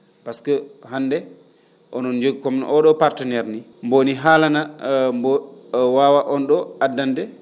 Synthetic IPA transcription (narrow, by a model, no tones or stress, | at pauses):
paskɔhanːdɛ | ʔɔnɔnd͡ʒoɡikɔmnʔɔɗɔpaɾtɛnɛɾni | mboniɦaːlanambowaːwaʔɔnɗɔadːandɛ